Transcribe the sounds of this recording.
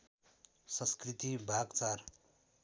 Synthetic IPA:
sʌ̃skrit̪ibʱaɡt͡sar

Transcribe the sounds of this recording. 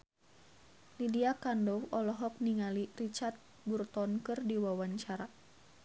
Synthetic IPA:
lidiakandɔwɔlɔɦɔk̚niŋalirit͡ʃart̪̚ | burt̪ɔnkɨrdiwawaɲt͡ʃaɾa

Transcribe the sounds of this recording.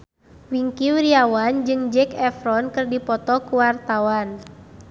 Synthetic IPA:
wiŋkiwiɾiawand͡ʒɨŋd͡ʒɛkɛfɾɔnkɨrdipɔt̪ɔkuwart̪awan

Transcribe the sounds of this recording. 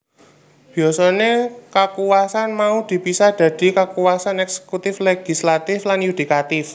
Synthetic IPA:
b̥iɔsɔnekəkuwasanmaud̪̥i̤pisahd̪̥a̤d̪̥i̤kəkuwasanɛkse̥kut̪ɪfleɡ̥i̤slat̪ɪflanjud̪̥i̤kat̪ɪf

